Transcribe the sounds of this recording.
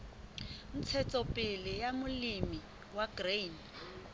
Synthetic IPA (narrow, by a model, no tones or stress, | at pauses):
n̩t͡sʰɛt͡sʼɔpʼɪlɪjamʊlimi | waɡren